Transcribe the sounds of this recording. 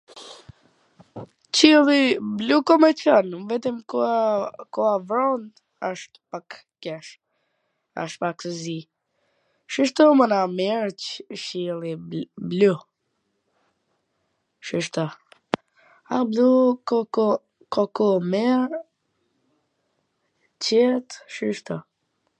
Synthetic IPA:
t͡ʃilˠiblukɔmɛt͡ʃanumvɛt̪əmkuakɔavɾɔnd̪ | aʃt̪pak | kɛʃ | a̰ʃt̪̚paksəzi | ʃiʃ̬t̪ɔmənamɛɾt͡ʃʃiliblu | ʃiʃt̪ɔ | ablukɔkɔ | kɔkɔmɛɾ | cɛt̪ʃiʃt̪ɔ

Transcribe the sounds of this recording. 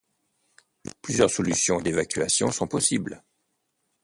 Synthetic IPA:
plyzjœʁsɔlysjɔ̃d̪evakʲɥasjɔ̃sɔ̃pɔsibl

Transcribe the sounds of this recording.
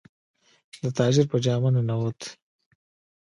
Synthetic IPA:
d̪ət̪ɑːd͡ʒɪɾpəd͡ʒɑːmanenawot̪

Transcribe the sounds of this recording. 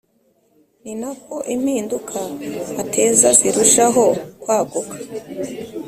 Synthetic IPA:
ninako̞ʔim̥hiːndukʰaːtʰe̞ːzaziɾuʃaɦo̞kwaːɡukḁ

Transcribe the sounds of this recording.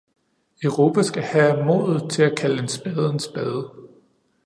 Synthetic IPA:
œʊʁo̝pʰæsɡ̥æhæmɔ̰ðˠð̩ˠt͡sʰe̝lækʰæləe̝nsb̥ɛð̞ˠensb̥ɛːð̞ˠə

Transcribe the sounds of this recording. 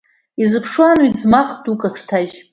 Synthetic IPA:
izɨpʰʂwanwid͡zmaχdukʼaʈ͡ʂʰtʰaʒ

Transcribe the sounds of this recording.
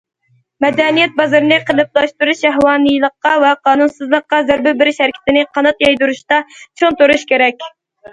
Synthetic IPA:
mɛd̪ɛnijɛt̪̚bɑzɑɾɨnɨqʰəlˠɨp̚lˠɑʃt̪uɾuʃɛɦwɑːnɨjlˠəqːɑwɛqɑːnunsɨzlˠəqːɑzæɾbɪbɪɾɪʃhɛɾkʲʰɪ̥t̪ɪnɪqʰɑnɑt̪jɑjd̪uɾuʃt̪ɑt͡ʃʰont̪oɾuʃkʲʰeɾɛkʲ

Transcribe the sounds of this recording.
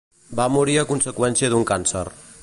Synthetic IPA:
bamuɾiəkunsəkwɛnsiəðuŋkansər

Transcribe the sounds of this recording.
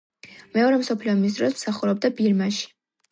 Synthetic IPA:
mɛɔɾɛmsɔpʰliɔmis̬d̪ɾɔsmsaχuɾɔb̚d̪abiɾmaʃi̥

